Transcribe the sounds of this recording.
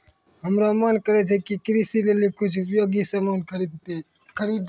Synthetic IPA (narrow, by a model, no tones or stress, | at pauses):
ɦəmɾamankəɾet͡ʃʰekikɾisilelikʊt͡ʃʰpjoːɡisəmankʰəɾid̪e | kʰəɾiːd̪